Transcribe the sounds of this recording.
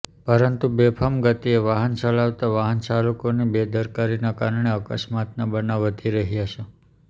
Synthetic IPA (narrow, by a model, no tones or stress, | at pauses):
pəɾənt̪ubepʰəmɡət̪ieʋaɦənt͡ʃəlaʋt̪aʋaɦənt͡ʃalukonibed̪əɾkaɾinakaɾɳeəkəsmat̪nabənaʋət̪iɾəɦiaʃe